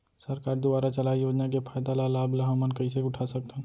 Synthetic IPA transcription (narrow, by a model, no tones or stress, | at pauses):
səɾkaːɾd̪ʊbaːɾat͡ʃɐlaːijoːd͡ʒnakefʰaːjd̪alalaːblaɦãmənkɐiseʊʈʰasɐk̚t̪ã